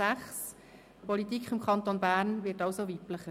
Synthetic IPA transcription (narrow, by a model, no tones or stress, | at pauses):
æχs | pɔlitikχɪmkʰχɑnt̪onbæːɾnʋɪːtɑʊsoʋipləχə